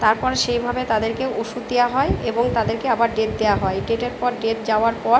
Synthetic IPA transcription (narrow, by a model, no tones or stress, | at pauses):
t̪aɾpɔɾʃejbʱabet̪ad̪eɾkeoʃud̪ejaɦɔeeboŋt̪ad̪eɾkeabaɾɖeʈ̚d̪ejaɦɔeɖeʈeɾpɔɾɖeʈ̚d͡ʑaoaɾpɔɾ